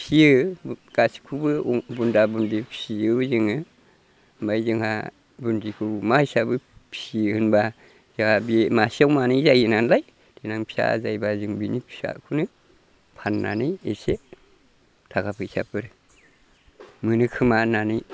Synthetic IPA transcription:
pʰiɯɡ̥asi̥kʰubɯbundabundipʰiɯzɯŋɯ | majzɯŋha | bundikʰɯmaisabɯpʰihɯnba | zaabimasiawmanijzajinanlaj | d̥inaŋpʰi̥a̰zajbazɯŋbinipʰi̥sa̰kʰunɯ | pʰanːa̰nɯjese | tʰaɡapʰɯsa̰pʰɯɾɯ | mɯnɯkʰɯmananɯj

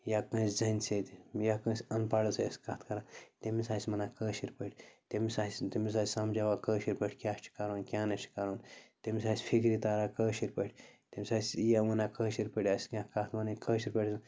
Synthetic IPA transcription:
jakə̃ːsʲd͡zɐnʲset̪ijakə̃ːsʲɐnpaɽɐsɐɐskat̪ʰkɐɾãt̪emisaːsʲmɐnaːkəːʃiɾʲpɐʈʰʲt̪emisaːisʲt̪emis̬aːsʲsɐmd͡ʒaʋakəːʃiɾʲpəʈʰʲkʲaːʃʈʰi̥kaɾonkʲjãːnɐt͡ʃʰi̥kaːɾoːnt̪emʲisaːsʲfʰikɾit̪aːɾaːkəːʃiɾpəʈʰʲt̪emʲisaːsʲjaʋɐnakəːʃiɾpəʈʲasʲkʲãkat̪ʰmɐnɐkəːʃiɾpəʈʰʲs

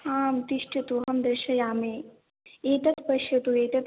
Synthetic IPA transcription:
aːmt̪iʃʈɐt̪uɦɐmd̪ɐɾʃɐjaːmeː | eːt̪ɐt̪pɐʃjɐt̪ueːt̪ɐt̪

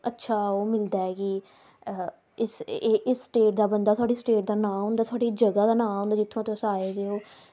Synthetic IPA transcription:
ətːʃʰaːoːmɪld̪aːɛːkiː | ɪsːʔɪsːʈeːʈ̚d̪aːbənd̪aːt̪ʊaːɖiːsʈeːʈ̚d̪aːnãːɦõːnd̪aːt̪ʰʊaːɖiːd͡ʒəɡaːd̪aːnãːɦõːnd̪aːd͡ʒɪt̪ʰːõːt̪osaːeːd̪eːoː

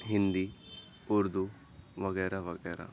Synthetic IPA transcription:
ɦind̪i | uɾd̪u | ʋɐɣɛːɾɐʋɐɡɛːɾa̰

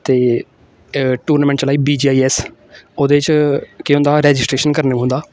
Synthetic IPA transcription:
t̪eː | ʈuːɾnaːmɛ̃ːɳʈt͡ʃlaːiːbiːd͡ʒiːaːiːɛːs | oːd̪et͡ʃkɪõːnd̪aːɾɛːd͡ʒɪsʈɾeːʃənkəɾneɦʊ̃nd̪aː

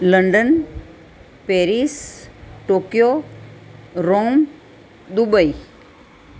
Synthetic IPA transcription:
ləɳɖən | peːɾisʈokjo | ɾom | d̪ubəi

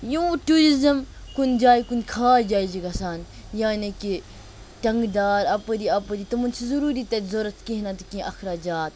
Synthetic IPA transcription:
jũːʈuːɾizɐmkund͡ʒaːjkunʲkʰaːjd͡ʒaːid͡ʒiɡɐsaːn | jaːneki | ʈɐŋɡd̪aːɾɐpəɾiːɐpəɾit̪ɐmɐnt͡ʃʰizuɾuːɾiːt̪ɐt̪zoːɾɐt̪kiɦnat̪kĩʔɐxɾaːd͡ʒaːt̪̚

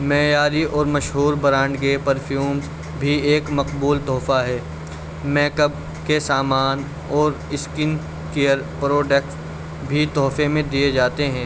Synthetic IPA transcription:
mɛːjaːɾiʔɔːɾmɐʃɦuːɾbɐɾãːɳɖkepɐɾfʰjuːmz | bʱieːkmɐqbuːlt̪ɔːfaɦɛː | mɛːkəb̚ | kesaːmaːn | ɔːɾ | ɪskɪn | kejəɾpɾoːɖɛːks | bʱit̪ɔːfemẽd̪ied͡ʒaːt̪eɦɛ̃ː

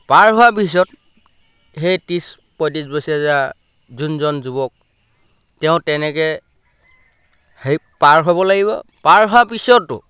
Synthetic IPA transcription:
paɹɦʊwapis̬ɔt | hejtis | pɔjtisbosiaza | zunzɔnzubɔk̚ | tɛʊ̃tɛnɛkɛ | he | paɹɦoβɔlaɡiβɔ̰paɹɦʊapisɔtːʊ̰

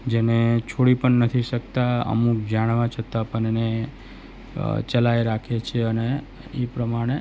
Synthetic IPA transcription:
d͡ʒenet͡ʃʰoɽipəɳnːət̪ʰiʃək̚t̪aə̰muk̚d͡ʒaɽ̃ʋãt͡ʃʰət̪apəɳene | t͡ʃəlajɾakʰet͡ʃʰeəne | epɾəmaɽ̃e

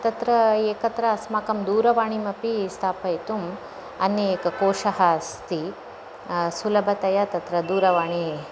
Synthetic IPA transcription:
t̪ɐt̪ɾɐeːkɐt̪ɾɐːsmaːkɐmd̪uːɾɐʋaːɳimɐpist̪ʰaːpɐjt̪um | ɐnːɐeːkɐkoːʂɐɦɐst̪i | sulɐbʱɐt̪ɐjɐt̪ɐt̪ɾɐd̪uːɾɐʋaːɳi

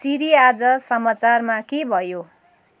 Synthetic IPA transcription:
siɾiad͡zʌsʌmat͡sarmakebʱʌjo

